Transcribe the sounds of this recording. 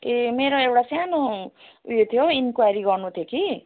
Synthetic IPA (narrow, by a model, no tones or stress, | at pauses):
emeɾoewʈasjanoujot̪ʰjoinkwajɾiɡʌrnut̪ʰjoki